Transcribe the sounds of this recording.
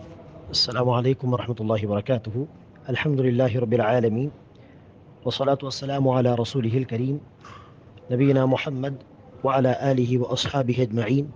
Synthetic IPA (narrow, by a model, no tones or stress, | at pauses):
ʔasːalaːmʊʕalajkʊmwɑɾˤɑħmat̪ʊlːɑːhɪwbɑɾˤɑkaːt̪ʊhʊ | ʔalħamd̪ʊlɪlːaːɦɪɾˤɑbːɪlʕaːlamiːn | wɑsˤːɑlaːt̪ʊwasːalaːmʊʕalaːɾˤɑsuːlɪɦɪalkaɾiːm | nabɪjːɪnaːmʊħamːad̪ | waʕalaːʔaːlɪhɪwɑʔɑsˤħɑːbɪhʔad͡ʒmaʕiːn